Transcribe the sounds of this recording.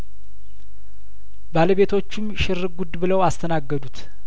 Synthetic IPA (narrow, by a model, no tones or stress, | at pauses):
baləβe̞t̪ʰo̞t͡ʃːɪmʃɪɾɨɡud̪bɨləwast̪ʰənaɡːəd̪ut̪